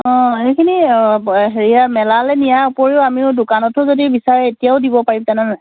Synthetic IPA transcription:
ɔ̃ejkʰini | ɦeɹiamɛlalɛnijaɔpoɹiʊamiʊdʊkanɔtɔzodibisaɹɛetijaʊdibɔpaɹimtanɛna

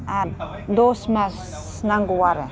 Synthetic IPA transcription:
a | d̪osmas | naŋɡuwaɾə

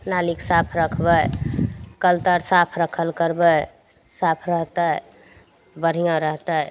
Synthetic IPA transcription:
naliksapʰɾəkʰbə | kəlt̪əɾsapʰɾəkʰəlkəɾbəj | sapʰɾəɦt̪əj | bəɾ̤ijãɾəɦt̪əj

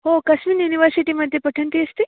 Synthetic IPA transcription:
ɦokɐsminjuniʋəɾsiʈiməd̪ʱːjepɐʈʰɐɳt̪iɐst̪i

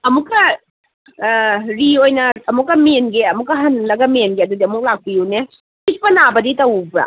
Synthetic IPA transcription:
ɐmukːɐ | ɾiojnɐɐmukːɐmenɡeɐmukːɐɦɐnlɐɡɐmenɡeɐdudiɐmuk̚lak̚pijune | ik̚pɐnabɐditɐwbɾa̰

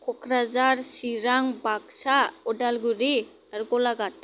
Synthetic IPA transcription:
kʰɔkʰɾazaɾsiɾaŋbaksaɔdalɡuɾi | aɾɡɔlaɡat̚

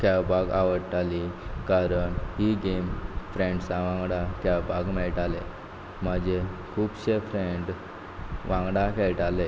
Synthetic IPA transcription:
kɛwbʱaɡa̰ʋəɽʈalikaɾəɳɦiɡemfɾẽɳɖsãʋãŋɡɽakɛwbʱaɡmɛɭʈale | məd͡ʑekʰuːbɕefɾeɳɖ | ʋʔãŋɡɽakɛɭʈale

